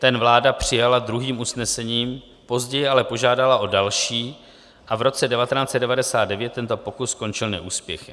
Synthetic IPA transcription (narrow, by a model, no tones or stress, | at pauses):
t̪ɛnvlaːdapr̝̥ɪjalad̪ɾuɦiːmusnɛsɛɲiːm | po̞zɟɛjɪalɛpo̞ʒaːdalaʔo̞dalʃiː | ʔavɾo̞t͡sɛdɛvat̪ɛnaːt͡sɛd̪̚dɛvadɛsaːd̪dɛvjɛt̪ːɛnt̪o̞po̞kusːko̞nt͡ʃɪlnɛ̰ʔuːspjɛxɪ